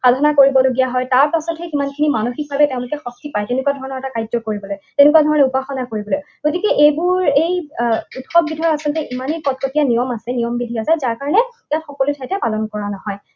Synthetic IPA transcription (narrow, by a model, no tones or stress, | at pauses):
xadʱanakoɹibɔloɡijaɦɔjtaɹpasɔthɛkimankʰinimanoxik̚bʱabɛtẽʊ̃lʊkɛxɔk̚tipajteʊnʊkuadʱɔɹɔnɔɹɛtakajdɔkoɹibɔlojtenɪkuadʱɔɹɔnɛupaxɔnakoɹibɔloj | ɡ̥otikɛʔejbuɹejutxɔb̚ɡitʰɔɹasiltɛʔimanikɔt̚kotijanijɔmasɛnijɔmbidʱiasɛzaɹkaɹɔnɛjatxɔkɔlutʰajtapalɔnkɔɹanɔɦɔj